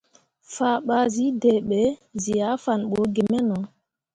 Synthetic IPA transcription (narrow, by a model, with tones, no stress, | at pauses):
faː˨ɓa˨zi˦dɛ˨ɓɛ˨˦zi˨ja˨˦fa˨nɓɔ˨˦ɡe˨mɛ˦nɔ˨